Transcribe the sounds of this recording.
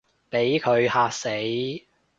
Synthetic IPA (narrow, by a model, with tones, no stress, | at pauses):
pe˨˥jkʰɵ˨˧ɥhaː˧k̚se˨˥j